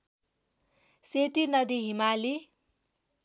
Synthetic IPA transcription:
set̪inʌd̪iɦimali

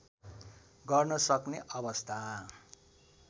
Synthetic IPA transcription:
ɡʌrnʌsʌkneʔʌbʌst̪ʰa

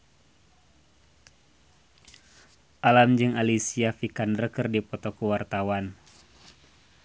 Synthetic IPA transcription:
ʔalamd͡ʒɨŋalisiafikanrəkɨrdipɔt̪ɔkuwart̪awan

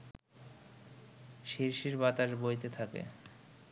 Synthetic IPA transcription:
ʃiɾʃiɾbat̪aɾbojt̪et̪ʰakḛ

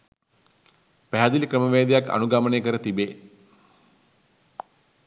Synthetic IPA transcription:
pæɦæd̪ilikrəməʋeːd̪ejaka̰nuɡaməneːkəɾət̪ibeː

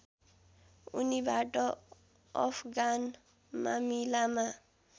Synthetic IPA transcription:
unibaʈʼɔ | ɔ̰fʰɡan | ma̰milama

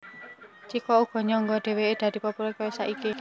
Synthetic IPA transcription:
t͡ʃikɔuɡ̥ɔ̤ɲɔŋɡɔɖ̪̥e̤weːd̪̥äd̪̥i̤pɔpuɾɔkawesaʔiki

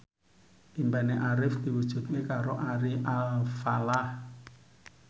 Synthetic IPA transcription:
ʔimbaneʔaɾɪfd̪̥i̤wud̥ʒ̥ṳt̪̚ŋekaɾoʔaɾiʔalfalah

